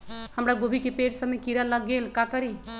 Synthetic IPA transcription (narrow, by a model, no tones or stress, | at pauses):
həmɾaɡobʱikepeɽsəmːekiɾələɡelkakəɾi